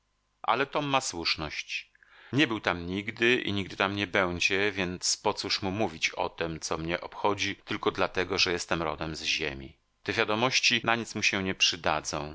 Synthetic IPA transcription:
ʔa̰lɛt̪ɔmːaswuʂnɔɕt͡ɕ | ɲɛbɘwt̪amɲiɡd̪ɘḭɲiɡ̚d̪ɘt̪amɲɛbɛw̃d͡ʑɛvʲjɛnt̪spɔt̪suʂmumuvʲit͡ɕɔ̰t̪ɛmt̪sɔmɲɛʔɔpxɔd͡ʑit̪ɘlkɔd̪lat̪ɛɡɔʐɛjɛst̪ɛmɾɔ̰d̪ɛmzʑḛmʲi | t̪ɛvʲjad̪ɔmɔɕt͡ɕinaɲit̪smuɕɛɲɛpʂɘd̪a̰d̪zɔ̃w̃

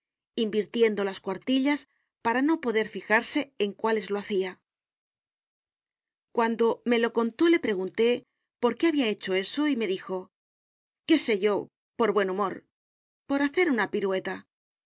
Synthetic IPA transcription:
imbiɾt̪je̞nd̪o̞laskwaɾt̪iʎas | paɾano̞po̞ðe̞ɾfixaɾse̞eŋkwale̞zlo̞aθia | kwand̪o̞me̞lo̞ko̞nt̪o̞le̞pɾe̞ɣ̞unt̪e̞ | po̞ɾke̞aβiae̞t͡ʃo̞e̞so̞ime̞ðixo̞ | ke̞se̞ʝo̞ | po̞ɾβwe̞numo̞ɾ | po̞ɾaθe̞ɾunapiɾwe̞t̪a

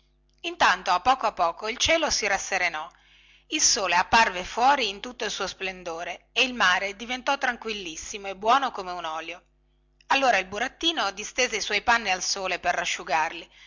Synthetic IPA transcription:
int̪ant̪oapːɔːkoapːɔːkoilt͡ʃɛːlosiɾasːeɾenɔ | ilsoːleapːarvefwɔːɾiːnt̪ut̪ːoilsuːosplend̪oːɾeːilmaːɾed̪ivent̪ɔt̪ːɾaŋkwilːisːimoebwɔːnokomeunɔːljo | alːoːɾailbuɾat̪ːiːnod̪ist̪eːzeiswɔjpanːialsoːleperːaʃːuɡarli

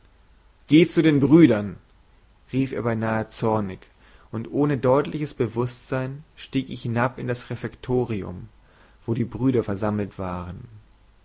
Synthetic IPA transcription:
ɡ̥eːt͡sudeːnbʁyːdɐn | ʁiːfeːɐbaɪnaːət͡sɔɐnɪç | ʔʊntʔoːnədɔʏtlɪçəsb̥əvʊstz̥aɪnʃtiːkɪçhɪnapɪndasʁɛfɛktʰoːʁiʊ̰m | v̥oːdiːbʁyːɾɐfɛɐzaml̩tv̥aːʁən

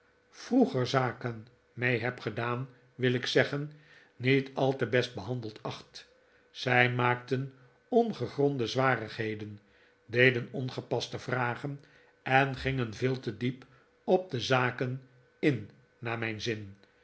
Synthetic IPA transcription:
v̥ruχəɹzaːkən | mejɦɛpχədaːn | ʋɪlɪksɛχən | nitɑlˠtəbɛst̚bəɦɑndəlˠtʰɑχt | z̥ɛjmaːk̚tən | ɔnχəχrɔndəzʋaːrəχɦejdən | dejdənɔnχəpɑstəvraːχən | ɛnχɪŋənvɪːlˠtədip | ɔp̚dəzaːkən | ɪnː | aːmɛjnzɪn

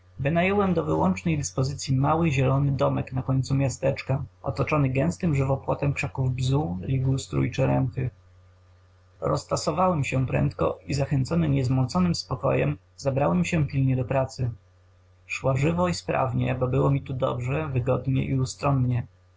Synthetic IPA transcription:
vɘnajɔwɛmd̪ɔvɘwɔnt͡ʂnɛjd̪ɘspɔzɘt̪sʲjimawɘʑɛlɔnɘd̪ɔmɛknakɔɲt̪sumʲjast̪ɛt͡ʂkaɔ̰t̪ɔt͡ʂɔnɘɡɛ̃w̃st̪ɘmʐɘvɔpwɔt̪ɛmkʂakuvbzuɾʲiɡust̪ɾṵjt͡ʂɘɾɛmxɘ | ɾɔ̰st̪asɔvawɛmɕɛpɾɛ̰nt̪kɔ̰izaxɛnt̪sɔnɘɲɛzmɔnt̪sɔnɘmspɔkɔ̰jɛ̰m | zabɾawɛmɕɛpʲilɲɛd̪ɔpɾat̪sɘ | ʂwaʐɘvɔispɾa̰vɲɛbɔbɘwɔmʲit̪ud̪ɔ̰bʐɛvɘɡɔd̪ɲɛ̰ʔiust̪ɾɔnɲɛ

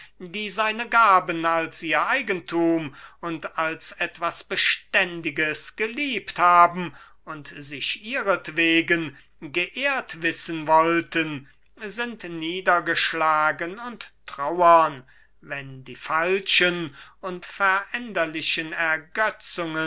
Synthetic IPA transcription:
diːzaɪnəɡaːbənalsʔiːɐʔaɪɡəntʰuːmʊntalsɛtv̥asb̥əʃtɛndɪɡəsɡ̥əliːpthaːbm̩ | ʔʊntzɪʃʔiːʁətv̥eːɡən | ɡəʔeːɐtv̥ɪsənvɔltən | zɪntniːdɐɡəʃlaːɡənʊntːʁ̥aʊɐn | vɛndiːfalʃənʊntfɛɐʔɛndɐlɪɕənɛɐɡœt͡sʊŋə

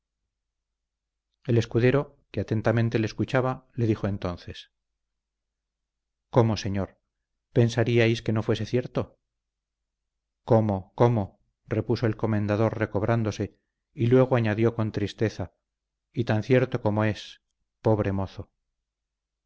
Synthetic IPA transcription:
e̞le̞skuðe̞ɾo̞ | keat̪e̞nt̪amẽnt̪e̞leskut͡ʃaβale̞ðixo̞e̞nt̪o̞n̟θe̞s | ko̞mose̞ɲoɾ | pe̞nsaɾiajske̞no̞fwe̞se̞θje̞ɾt̪o | ko̞mo̞ko̞mo̞ | re̞puso̞elko̞mẽ̞nd̪aðo̞rre̞ko̞β̞ɾʔand̪o̞se̞ | ilwe̞ɣ̞oaɲaðjo̞ko̞nt̪ɾist̪e̞θa | it̪anθje̞ɾt̪o̞ko̞mo̞e̞s | po̞βɾe̞mo̞θo

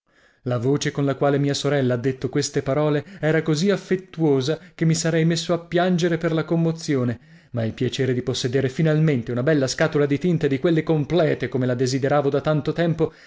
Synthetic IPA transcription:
lavoːt͡ʃekonlakwaːlemiːasoɾɛlːaad̪ːet̪ːokwest̪epaɾɔːleɛːɾakoziafːet̪ːuoːzakemːisaɾɛjmesːoapːjand͡ʒeɾeperlakomːot̪sːjoːne | mailpjat͡ʃeːɾed̪iposːed̪eːɾefinalment̪eunabɛlːaskaːt̪olad̪it̪int̪ed̪ikwelːekomplɛːt̪ekomelad̪ezid̪eɾaːvod̪at̪ant̪ot̪ɛmpo

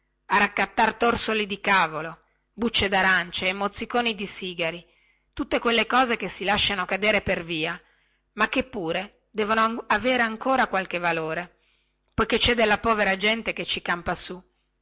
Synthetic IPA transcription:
arakːat̪ːart̪orsolid̪ikaːvolo | but͡ʃːed̪aɾant͡ʃeːmːot̪sːikoːnid̪isiːɡaɾi | t̪ut̪ːekwelːekɔːzekesːilaʃːanokad̪eːɾeperviːa | makːepːuːɾe | d̪ɛːvonoaveːɾeaŋkoːɾakwalk̟evaloːɾe | pojket͡ʃɛd̪elːapɔːveɾad͡ʒɛnt̪eket͡ʃːikampasu

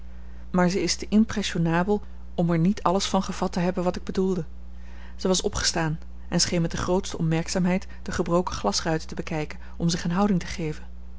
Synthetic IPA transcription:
maːɹzəɪstəʔɪmprɛsonaːbəlˠ | ɔmɛɹnitʰɑləsfɑnχəv̥ɑtəɦɛbənʋɑtɪɡ̚bədulˠdə | z̥əʋɑsɔpχə̥staːn | ʔɛnsχejnmɛt̚dəχrowtstəɔpmɛɹksaːmɦɛjt | d̥əχəbrowkə̥χlɑsrœɥtə̥təbəkɛjkən | ɔmzɪχənɦɑwdɪŋtə̥χejvən

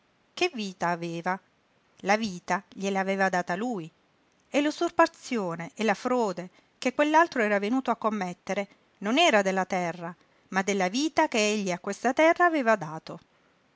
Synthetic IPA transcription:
kevːiːt̪aːveːva | laviːt̪aʎeleaveːvad̪aːt̪aluj | elosurpat̪sːjoːneʔelafɾoːd̪e | kekːwelːalt̪ɾoɛːɾavenuːt̪oakːomːet̪ːeɾe | nonɛːɾad̪elːat̪ɛrːa | mad̪ːelːaviːt̪akeeʎːiakːwest̪at̪ɛrːaːveːvad̪aːt̪o

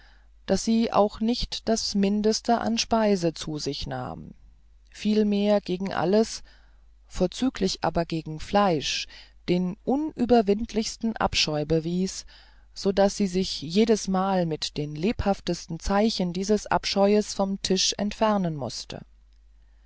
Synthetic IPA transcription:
d̥asz̥iːʔa̰ʊxnɪçtd̥asmɪndəstəʔa̰nʃpaɪzət͡suːzɪçna̰ːm | fiːlmeːɐɡeːɡŋ̩ʔa̰ləs | foːɐt͡syːkʰlɪçʔa̰ːbɐɡeːɡŋ̩flaɪʃd̥eːnʔʊnʔyːbɐvɪntʰlɪçstn̩ʔa̰pʃɔʏbəviːs | z̥oːdasz̥iːzɪçjeːdəsmaːlmɪtd̥eːnleːphaftəstn̩t͡saɪçəndiːzəsʔa̰pʃɔʏəsfɔmtʰɪʃʔɛ̰ntfɛɐnənmʊ̰stʰə̰

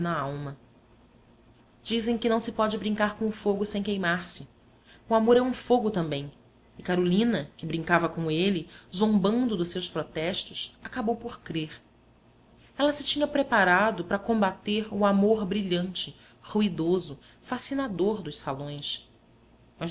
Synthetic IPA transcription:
nɐawmɐ | d͡ʒizẽj̃kɪnɐ̃w̃sɪpɔd͡ʒɪbɾĩŋkaɾkõʊfoɡʊsẽj̃kejmaɾsɪ | uamoɾɛɾũfoɡʊt̪ɐ̃mbẽj̃ | ɪkaɾolĩnɐkɪbɾĩŋkavɐkõelɪzõmbɐ̃nd̪ʊd̪ʊʃsewspɾɔt̪ɛʃt̪ʊʃakabowpoɾkɾeɾ | ɛlɐsɪ̥t͡ʃĩɲɐpɾepaɾad̪ʊpɾɐkõmbat̪eɾuamoɾbɾiʎɐ̃nt͡ʃɪ | huid̪ozʊ | fasinad̪oɾd̪ʊʃsalõj̃s | mɐ

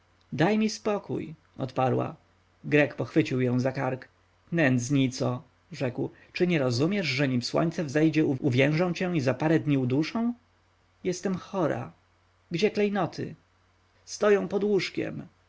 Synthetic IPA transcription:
d̪ajmʲispɔkṵj | ɔ̰t̪paɾwa̰ | ɡɾɛkpɔxfɘt͡ɕiwjɔ̃w̃zakaɾk | nɛnd̪sɲit̪sɔ | ʐɛkw | t͡ʂɘɲɛɾɔzumʲjɛʐʐɛɲimswɔ̰ɲʲt̪sɛvzɛjd͡ʑɛuʔuvʲjɛ̃w̃ʐɔ̃w̃t͡ɕɛ̃izapaɾɛd̪ɲiud̪uʂɔ̃w̃ | jɛst̪ɛmxɔɾa̰ | ɡd͡ʑɛklɛjnɔt̪ʰɘ̰ | st̪ɔjɔ̃w̃pɔd̪wuʂkʲɛ̰m

